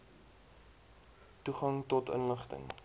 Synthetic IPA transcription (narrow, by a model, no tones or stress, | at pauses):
tuχɐŋtɔtə̰nləχtə̰ŋ